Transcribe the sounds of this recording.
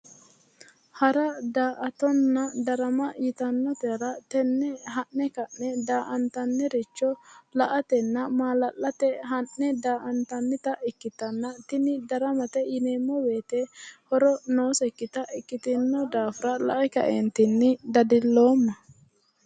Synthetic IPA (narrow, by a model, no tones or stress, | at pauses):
hɐɾɐd̪aːʔɐt̪ɔnːɐd̪ɐɾɐmɐjɪt̪ɐnːɔt̪ɛɾɐt̪ɛnːɛɦɐnːɛkɐnːɛd̪aːʔɐnt̪ɐnːɛɾɪt͡ʃːɔlɐʔɐt̪ɛnːɐmaːlɐlːɐt̪ɛɦɐʔːɛd̪aːʔɐnt̪ɐnːɪt̪ɐʔɪkːɪt̪ɐnːɐt̪ɪnɪd̪ɐɾɐmɐt̪ɛjɪneːmːɔwe̞ːt̪ɛhɔɾɔno̞ːsɛkːɪt̪ɐʔɪkːɪt̪ɪnːɔd̪aːfʊɾɐlɐ̰ʔɛkɐ̰ʔent̪ɪnːɪd̪ɐd̪ɪlːo̞ːmːɐ